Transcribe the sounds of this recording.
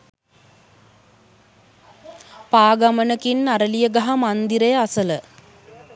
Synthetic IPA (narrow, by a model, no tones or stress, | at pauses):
paːɡamənəkinːaɾəlijəɡaɦamand̪iɾejəasələ